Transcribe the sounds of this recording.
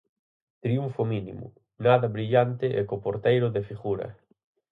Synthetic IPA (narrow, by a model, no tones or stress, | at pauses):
t̪ɾiuɱfominḭmʊ̰ | naðɐβɾiʎant̪ɪʔekopoɾt̪ejɾʊðefiɣuɾɐ̰